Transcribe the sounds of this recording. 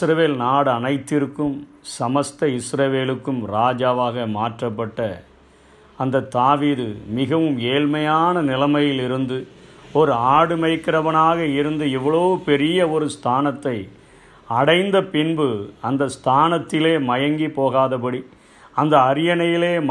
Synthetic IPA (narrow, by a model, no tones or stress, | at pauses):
sɾɐʋeːlnaːɽɯɐnɐɪt̪ːɪɾɯkːɯm | sɐmɐst̪ɐɪsɾɐʋeːlɯkːɯmɾaːd͡ʒaːʋaːɣɐmaːʈrɐpːɐʈːɐː | nd̪ɐt̪ːaːʋiːðɯmɪɣɐʋɯmeːɻmɐjaːnɐnɪlɐmɐjɪlɪɾɯnd̪ɯɔɾɯaːɽɯmɐɪkːɪɾɐʋɐnaːɣɐɪɾɯnd̪ɯɛʋːɐɭoːɯpɛɾɪjɐɔɾɯst̪ʰaːnɐt̪ːɐɪ | ɐɽɐɪnd̪ɐpɪnbɯɐnd̪ɐst̪ʰaːnɐt̪ːɪleːmɐjɐŋɡipoːɣaːðɐpɐɽi | ɐnd̪ɐːɾɪjɐnɐjɪleːm